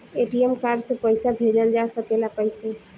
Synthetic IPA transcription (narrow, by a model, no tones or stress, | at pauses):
eʈiemkaɖsẽpəɪsabʱed͡ʒəld͡ʒasəkelapəɪse